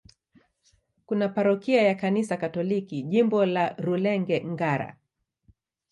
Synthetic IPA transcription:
kunapaɾɔkiajakanisakatɔlikiʄimbɔlaɾulɛŋɡɛŋɡaɾa̰

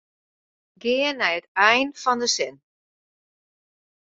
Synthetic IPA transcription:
ɡɪənɛjətɛjnfɔndəsɪn

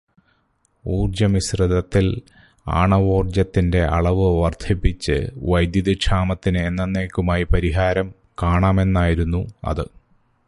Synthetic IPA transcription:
uːrd͡ʑɐmisrɨðɐt̪ːil | a̰ːɳɐʋo̞ːrd͡ʑɐt̪ːinde̞ʔɐɭɐʋɨʋɐrd̪ʱʰipːit͡ɕːɨ̰ʋɐjd̪juðiʂʰaːmɐt̪ːinɨːnːɐnːeːkʲːumaːjipɐɾiɦaːɾɐm | kaːɳaːme̞nːaːjiɾunːuɐ̰ðɨ

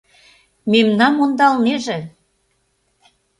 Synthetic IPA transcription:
memnɑnmond̪ɑlneʒĕ

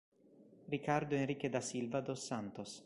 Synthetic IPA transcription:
rikaɾd̪oenrik̟ed̪asilvad̪osːant̪os

